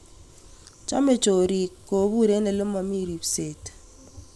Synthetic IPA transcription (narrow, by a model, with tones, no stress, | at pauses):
t͡ʃa˦me˨t͡ʃo˨ɾi˨kːo˨bu˦ɾe˨˦ne˨lo˦mɔ˨mi˦ɾi˨pse˨t